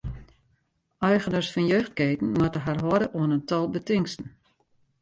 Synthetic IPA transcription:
œɥɣənəsfɔnjøːxt̚keːtn̩matəɦarɦɔɾəʔuənəntɔlˠbətɪŋstn̩

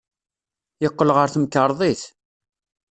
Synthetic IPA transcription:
jəqːəlʁəɾθmkːəɾˤðˤiθ

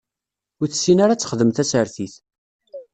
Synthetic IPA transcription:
ʊɾθsːinaɾat͡sːə̥χəðəmθæsəɾθiθ

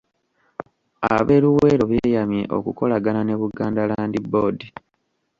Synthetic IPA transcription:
a̰βe̞luwe̞ːɾo̞βje̞ːjamjeʔo̞̰kuko̞laɡanane̞βuɡaːndalaːndibo̞di

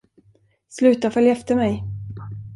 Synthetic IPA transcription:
slʉ̟ːt̪afœljaɛft̪əɾmɛj

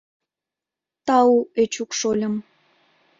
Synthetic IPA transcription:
t̪ɑuet͡ɕukʃolʲə̆m

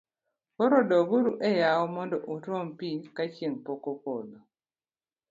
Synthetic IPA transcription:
βoɾodoβuɾuʔejawomondoʔutom̩pikacimpokokolo

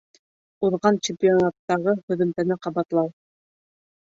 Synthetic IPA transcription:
uðʁɑnt͡ɕɪmpʲionɑt̪ːɑʁɤhɵ̆ðɵ̆mt̪ænæqɑβɑt̪lˠɑw

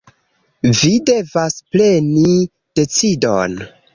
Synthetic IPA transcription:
vide̞vasple̞ni | d̥e̞t͡sido̰n

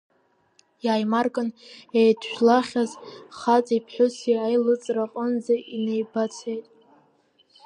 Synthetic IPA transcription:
jaːjmarkʼɨnejdʰʃᶣlaχʲazχat͡sʼipʰħʊsiajlɨt͡sʼraqʼənd͡zaʔine̞jbat͡sʰejtʼ

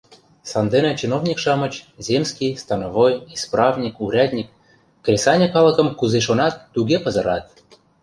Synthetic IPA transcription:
sɑnd̪enet͡ɕinovnʲikʃɑmə̆t͡ɕzʲemskʲijst̪ɑnovojisprɑvnʲikuɾʲɑd̪ʲnʲikː | rʲesɑnʲekɑlɤ̆kɤ̆mkuzeʃ̬onɑt̪ːuɡʲepɤ̆zɤɾɑt̪̚

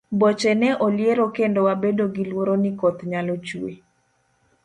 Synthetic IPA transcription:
bɔt͡ʃɛnɛʔoljeɾokendɔwabedoɡilwoɾonikɔt̪ɲalot͡ʃuḛ

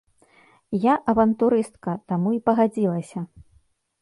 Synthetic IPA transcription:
jaʔɐvɐnt̪uɾɨst̪kɐt̪amuipɐɣad͡zʲilˠɐsʲɐ

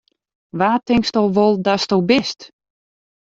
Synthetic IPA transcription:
ʋaːtɪŋkstɔwʋolˠdastowbɪst

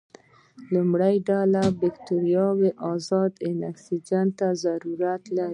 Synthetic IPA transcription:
lumɽajɖalabɪkt̪uɾjɑweʔɑzɑd̪ɪnaksid͡ʒant̪ːazaɾuɾat̪laɾi

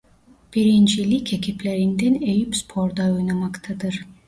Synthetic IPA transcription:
b̥iɾint͡ʃʰilikʲʰekʰipleɾind̪ɛnejypspʰoɾd̪ɑojnɑmɑkt̪ʰɑd̪ɯɾ

